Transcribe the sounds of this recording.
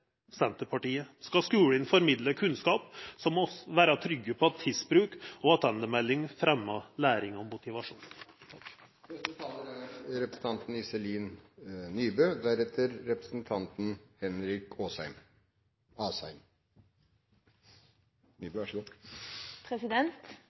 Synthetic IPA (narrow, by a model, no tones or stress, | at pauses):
sɛnt̪əpʰɑʈiːəskɑskʉːɽənfɔɾmɪd̪ləkʰʉnskɑːpsɔmːɔʋæːɾɑt̪ʰɾʏɡːəpʰɔɑt̪ʰːɪsbɾʉːkɔɑt̪ʰɛnd̪əmɛlːɪŋfɾɛmːɑlæːɾɪŋɔmːʊt̪ɪʋɑʂṵːnʰ | ɛsɔt̪ʰɑːləɾɾɛpɾəsn̩ʰɑnt̪n̩ɪsɛliːnnyːbøːd̪æɾɛt̪ʰəɾɾɛpɾəsn̩t̪ʰɑnt̪n̩hɛnɾɪkoːsæ̰ɪm | ɑːsæɪm | bøʂɡ | pʰɾɛsɪd̪ɛnt̪